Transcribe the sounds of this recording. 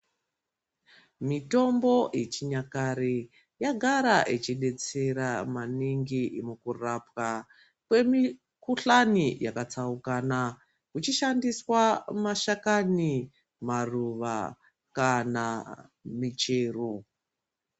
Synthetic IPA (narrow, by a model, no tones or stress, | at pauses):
mito̞mbo̞ʔet͡ʃiɲakaɾe | jaɡʱaɾaʔit͡ʃiɗe̞t͡se̞ɾamaniŋɡiʔimukurapka | kwe̞mi | kuɬanijakat͡saukana | kut͡ʃiʃandiswamaʃakani | maruʋa̰ | kanamit͡ʃeːru